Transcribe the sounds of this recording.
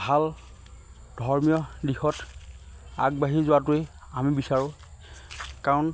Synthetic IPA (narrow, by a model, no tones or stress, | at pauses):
bʱal | dʱɔɹmijɔdixɔt | aɡ̚baɦizʊwatʊe | amibisaɹʊ̃ | kaɹɔn